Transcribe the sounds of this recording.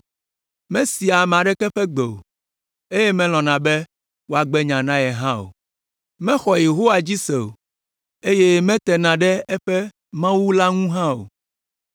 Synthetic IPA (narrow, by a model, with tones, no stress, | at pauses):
mɛ̃˦si˨a˨m̃˨ã˨ɖɛ˦kɛ˦ɸɛ˦ɡ͡be˨o̰˨ | e˦je˦mɛ̃˦l̃ɔ̃˨nã˨bɛ˦ | wo˨a˨ɡ͡bɛ˦ɲã˨nã˦jɛ˨ɦã˦o̰˨ | mɛ̃˦xɔ˨je˨ɦo˦wa˨d͡ʑi˦se˨o̰˨ | e˦je˦mɛ̃˦t̪ɛ˨nã˨ɖɛ˦ɛ˦ɸɛ˦ | mã˦wu˦la˦ŋũ˦ɦã˦o̰˨